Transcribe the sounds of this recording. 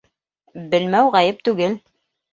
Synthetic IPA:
bɘ̆lmæwʁɑjɘp̚t̪ʉɡɘl

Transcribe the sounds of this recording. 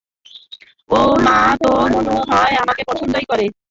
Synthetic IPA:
omat̪omonoɦɔeamakepɔt͡ʃʰond̪ojkɔɾe

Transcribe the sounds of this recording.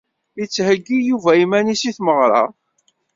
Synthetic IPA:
it͡sːhəɡːijuvæimænisiθməʁɾˤɑ̰

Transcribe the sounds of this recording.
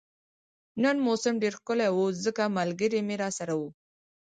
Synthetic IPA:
nənmosɪmɖeɾxkʊlawuzəkamalɡəɾemeɾɑsaɾawu

